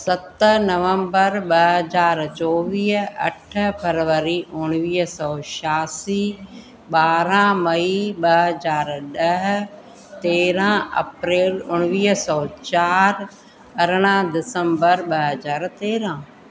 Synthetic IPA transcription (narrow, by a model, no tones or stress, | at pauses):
sɐt̪əɦnɐʋə̃mbəɾɓɐɦɐzaːɾt͡ʃɔːʋiːɦɐ̰ʈʰpʰɐɾʋəɾiʔʊɽ̃ʋiːɦsɔːʃaːsiː | ɓaːɾãmɐiɓɐɦəzaːɾɗɐɦ | t̪eːɾãɐ̰pɾeːlʊɽ̃ʋiːɦsɔːt͡ɕaːɾ | ɐɾɽ̃ãd̪ɪsə̃mbəɾɓɐɦəzaːɾt̪eːɾã